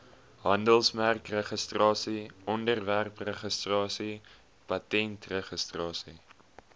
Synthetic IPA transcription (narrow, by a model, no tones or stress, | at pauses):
ɦɐndəlˠsmærkrəχəstrɑːsiʔɔndərværprəχəstrɑːsi | pɐtɛntrəχəstrɑːsi